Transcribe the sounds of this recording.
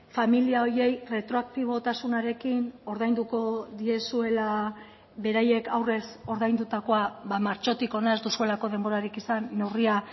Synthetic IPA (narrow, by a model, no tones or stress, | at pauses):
familiao̞ɾie̞jre̞t̪ɾo̞ak̚t̪iβ̞o̞t̪asunaɾe̞kino̞ɾðajnd̪ukoðie̞sue̞la | βe̞ɾaje̞kawre̞so̞ɾðajnd̪ut̪ako̞aβamaɾt͡ʃo̞t̪iko̞naezd̪usue̞lako̞ðe̞mbo̞ɾaɾikisanːe̞wria